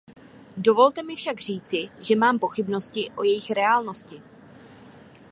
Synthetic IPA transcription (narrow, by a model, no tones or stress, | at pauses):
do̞vo̞lt̪ɛmɪfʃaɡr̝iːt͡sɪʒɛmaːmpo̞xɪbno̞scɪʔo̞jɛjɪxɾɛaːlno̞scɪ